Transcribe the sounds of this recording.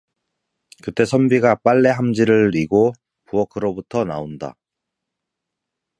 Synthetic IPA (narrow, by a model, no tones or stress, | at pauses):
kɯt͈e̞sʰʌmbiɡap͈aɭːe̞ɦamd͡ʑiɾɯɭiɡo | puʌkʰɯɾobutʰʌnaonda̰